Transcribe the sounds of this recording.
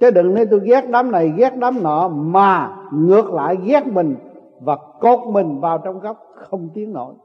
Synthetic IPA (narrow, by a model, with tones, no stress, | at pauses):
t͡ɕə˨˦ɗɨ̰˧˨ŋne˨˧˦jt̪o˧jɣɛ˦˥t̚ɗaː˨˦mna˨˩jɣɛ˦˥t̚ɗaː˨˦mnɔː˧˩˦maː˨˩ŋɨ˨˩ək̚la̰ː˧˨jɣɛ˦˥t̚mï˨˩ŋ̟ | vaː˨˩ko˨˩t̚mï˨˩ŋ̟vaː˨˩wt͡ɕɔ˧wŋ͡mɣɔ˦˥wk͡p̚xə˧wŋ͡mt̪i˨˦əŋno̰˧˩j